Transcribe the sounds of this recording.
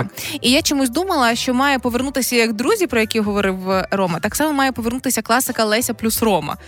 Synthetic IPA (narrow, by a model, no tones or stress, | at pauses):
ijat͡ʃɔmusʲd̪umɐlˠɐʃt͡ʃɔmɑjɛpɔʋernut̪ɪsʲɐjɐɡd̪ɾuzʲipɾɔjɐkʲiɦɔʋɔɾɪwrɔmɐt̪aksɑmɔmɑjɛpɔʋernut̪ɪsʲɐklˠɑsɪkɐlˠɛsʲɐplʲusrɔmɐ̰